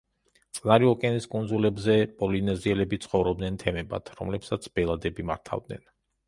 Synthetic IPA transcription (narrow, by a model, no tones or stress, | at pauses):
t̪sʼnaɾiɔkʼɛniskʼund̪zulɛbzɛpʼɔlinɛziɛlɛbit̪sʰχɔvɾɔb̚d̪nɛnt̪ʰɛmɛba̰t̪ʰɾɔ̰mlɛpsat̪sʰb̥ɛlˠad̪ɛbimaɾt̪ʰa̰vd̪̚nɛ̰n